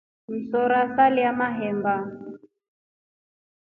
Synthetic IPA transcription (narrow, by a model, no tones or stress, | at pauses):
m̩sɔɾasaliamaɦɛmba